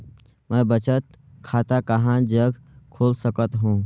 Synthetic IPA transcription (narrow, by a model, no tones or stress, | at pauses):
mɛ̃bət͡ʃət̪ | kʰaːt̪akəɦãd͡ʒəɡkʰoːlsəkət̪ɦũː